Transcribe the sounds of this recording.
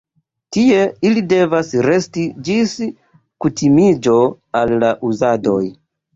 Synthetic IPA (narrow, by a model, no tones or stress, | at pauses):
tie̞ilide̞vasɾe̞stid͡ʒis | kutʰimid͡ʒo̞ | alːaʔuzado̞̰j